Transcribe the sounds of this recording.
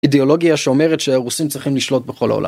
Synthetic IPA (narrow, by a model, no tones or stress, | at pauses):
ideo̞lo̞ɡiaʃeo̞meʁetʃeaʁusimt͡sʁiχimliʃlo̞t̚beχo̞la̰olʔa̰